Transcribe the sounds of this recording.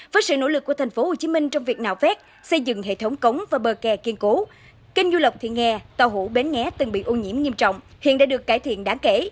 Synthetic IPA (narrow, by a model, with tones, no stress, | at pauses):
vəː˨˦jsɨ̰˧˨no̰˧˥lɨ˨˩k̚ːu˧˩ət̪ʰŋ̟fo˨˦ho˨˩t͡ɕi˨˦mï˧ŋ̟t͡ɕɔ˧wŋ͡mvi˨˩ək̚na̰ː˧˨wfɛ˦˥t̚ | sə˧jzɨ̰˧˨ŋɦḛ˧˨t̪ʰə˨˦wŋ͡mkə˨˦wŋ͡mvaː˨˩ɓəː˨˩kɛ˨˩ki˧ənku˨˦ | kï˧ŋ̟zu˧lə˨˩k͡p̚t̪ʰḭ˧˨əŋɛ˧˩t̪a˧˩wɦṵ˧˩ɓe˨˦nŋɛ˨˦t̪ɨ˨˩ŋɓḭ˧˨ʔo˧ɲḭ˧˩˥əmɲi˧əmt͡ɕɔ̰˧˨wŋ͡mhḭ˧˨ənɗa̰ː˧˥ɗɨ˨˩əkːaː˧˩jt̪ʰḭ˧˨ənɗaː˨˦ŋke˧˩